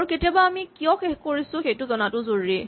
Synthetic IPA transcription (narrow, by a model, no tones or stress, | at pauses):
ɹuketijɔbaːmikiɔxexkoɹisʊ̃xejtʊzɔnatʊzoɹːi